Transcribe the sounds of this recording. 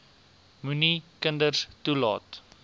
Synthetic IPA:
munikəndərstulɑ̰ːt

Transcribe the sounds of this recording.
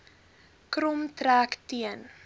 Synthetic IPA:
krɔmtɾæːktiən

